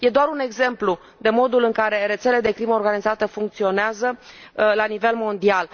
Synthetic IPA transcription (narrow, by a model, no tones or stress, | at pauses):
je̞d̪oaɾune̞ɡze̞mplu | d̪e̞mo̞d̪ulɨŋkaɾe̞ɾe̞t̪sele̞d̪e̞kɾiməorɡanizat̪əfuŋkt̪sio̞neazəlanive̞lmo̞nd̪ial